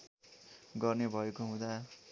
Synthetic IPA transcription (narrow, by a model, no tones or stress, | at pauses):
ɡʌrnebʱʌekoɦũd̪a